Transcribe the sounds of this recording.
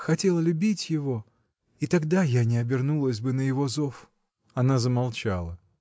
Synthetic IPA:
xɐtʲe̞lˠəlʲʊbʲitʲjɪvo̞ | it̪ɐɡd̪ajanʲɪɐbʲɪrnulˠəsʲbɨnəjɪvo̞zo̞f | ɐnazəmɐlˠt͡ɕa̰lˠə

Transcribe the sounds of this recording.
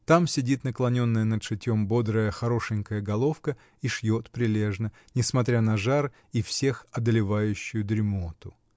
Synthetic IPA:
t̪amsʲɪdʲit̪nəklˠɐnʲo̞nːəjənət̪ʂɨtʲːo̞mbo̞d̪ɾəjəxɐɾo̞ʂɨnʲkəjəɡɐlˠo̞fkə | iʂjo̞t̪pɾʲɪlʲe̞ʐnə | nʲɪsmɐt̪ɾʲanɐʐar | ifsʲe̞xɐd̪əlʲɪvajʉɕːʊjʊd̪ɾʲɪmot̪ʊ

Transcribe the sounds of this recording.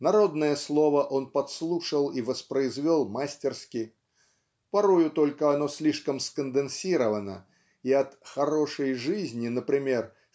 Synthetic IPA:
naɾɔd̪nəjəslˠɔvəʔɔnpat̪slˠuʂəlˠivəspɾəizvʲɔlˠmasʲtʲɛrskʲi | paɾɔjʊt̪ɔlʲkəanɔsʲlʲiʂkəmskənd̪ɨnsʲiɾəvɐnə̰ | iɐt̪xaɾɔʂəjʐɨzʲnʲinəpɾʲɪmʲɛr

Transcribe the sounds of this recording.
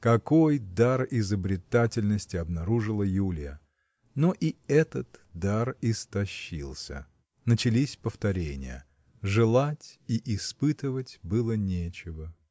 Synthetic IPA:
kɐkojd̪arɪzəbɾʲɪt̪atʲɪlʲnəsʲtʲɪɐbnɐɾuʐɨlˠəjulʲɪjə | noʔiɛt̪ət̪d̪arɪst̪ɐɕːḭlˠsʲə̰ | nət͡ɕɪlʲisʲpəft̪ɐɾʲenʲɪ̰jə̰ | ʐɨlˠatʲiʔɪspɨt̪ɨvətʲbɨlˠənʲet͡ɕɪvə

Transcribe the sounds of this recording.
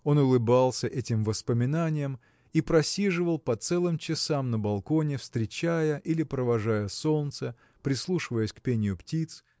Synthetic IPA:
o̞nʊlˠɨbalˠsʲəʔɛtʲɪmvəspəmʲɪnanʲɪjəm | ipɾɐsʲiʐɨvəlˠpɐt̪sɛlˠɨmt͡ɕɪsamnəbɐlˠko̞nʲɪfst̪ɾʲɪt͡ɕæjəʔilʲɪpɾəvɐʐajəso̞lt̪sə | pɾʲɪslˠuʂɨvəjəsʲkpʲenʲɪjʊptʲit̪s

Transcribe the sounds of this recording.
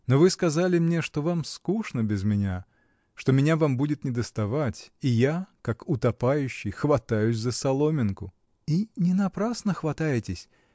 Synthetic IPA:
novɨskɐzalʲɪmnʲe̞ʂt̪o̞vamskuʂnəbʲɪzmʲɪnʲa | ʂt̪omʲɪnʲavambudʲɪt̪nʲɪd̪əst̪ɐvatʲijakakʊt̪ɐpajʉɕːɪjxvɐt̪ajʉsʲzəsɐlˠomʲɪnkʊ | inʲɪnɐpɾasnəxvɐt̪ajɪtʲɪsʲ

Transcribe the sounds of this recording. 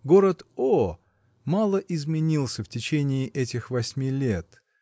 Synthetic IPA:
ɡo̞ɾət̪o | mɑlˠəʔɪzmʲɪnʲilˠsʲəftʲɪt͡ɕenʲɪːʔɛtʲɪxvɐsʲmʲilʲet̪

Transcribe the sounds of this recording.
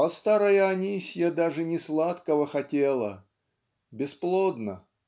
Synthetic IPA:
ɐst̪aɾəjəɐnʲisʲjad̪aʐɨnʲɪslˠat̪kəvəxɐtʲelˠə̰ | bʲɪsplˠod̪nə

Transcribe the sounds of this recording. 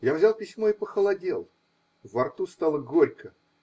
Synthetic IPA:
javzʲalˠpʲɪsʲmoipəxəlˠɐdʲelˠ | vɐrt̪ust̪alˠəɡoɾʲkə

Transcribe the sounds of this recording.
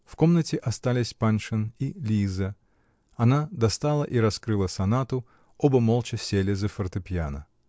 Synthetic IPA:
fko̞mnətʲɪʔɐst̪alʲɪsʲpanʂɨnilʲizə | ɐnad̪ɐst̪alˠəʔiɾɐskɾɨlˠəsɐnat̪ʊ | obəmolˠt͡ɕɪsʲelʲɪzəfərt̪ɨpʲjanə̰

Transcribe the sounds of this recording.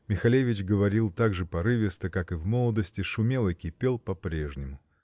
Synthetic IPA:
mʲɪxɐlʲevʲɪt͡ɕɡəvɐɾʲilˠt̪aɡʐɨpɐɾɨvʲɪst̪əkakɨvmolˠəd̪əsʲtʲɪʂʊmʲelˠəkʲɪpʲe̞lˠpɐpɾʲeʐnʲɪmʊ

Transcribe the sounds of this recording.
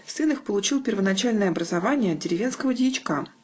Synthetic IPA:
fsɨnɨxpəlˠʊt͡ɕilˠpʲɪrvənɐt͡ɕalʲnəjəɐbɾəzɐvanʲɪjəɐtd̪̚dʲɪɾʲɪvʲe̞n̪skəvədʲɪjɪt͡ɕka

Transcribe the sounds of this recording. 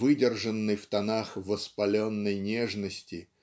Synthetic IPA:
vɨdʲɪrʐənːɨjft̪ɐnaxvəspɐlʲo̞nːəjnʲeʐnəsʲtʲɪ

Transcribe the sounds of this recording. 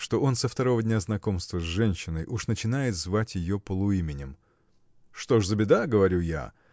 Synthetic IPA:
ʂt̪o̞o̞nsəft̪ɐɾo̞vədʲnʲaznɐko̞mst̪vəzʐɛnʲɕːɪnəjʔuʂnət͡ɕɪnajɪt̪zvatʲjɪjopəlˠʊimʲɪnʲɪm | ʂt̪oʂzəbʲɪd̪aɡəvɐɾʲuja̰

